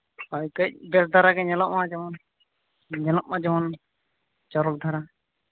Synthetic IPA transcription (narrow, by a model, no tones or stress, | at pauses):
akəc̚bɛsd̪ʱaɾaɡɛɲɛlɔʔmãd͡ʒɔmɔn | ɲɛlɔʔmãd͡ʒɔmɔn | d͡ʒɔɾɔk̚d̪ʱaɾa